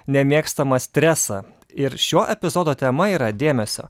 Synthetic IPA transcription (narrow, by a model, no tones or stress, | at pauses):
nʲɛmʲeːkst̪ɐmɐsʲt̪ʲɾʲæsɑ | ɪɾʃʲoːʔɛpʲɪzoːd̪oːt̪ʲɛmɐiːɾɐd̪ʲeːmʲɛsʲo̰ː